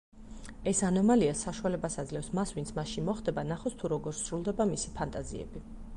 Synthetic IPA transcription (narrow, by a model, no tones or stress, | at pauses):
ɛsanɔmaliasːaʃualɛbasad̪zlɛfsmasvint̪sʰmaʃinmɔχd̪ɛbanaχɔst̪ʰuɾɔɡɔɾsɾulˠd̪ɛbamisipʰant̪ʼazḭɛ̰bi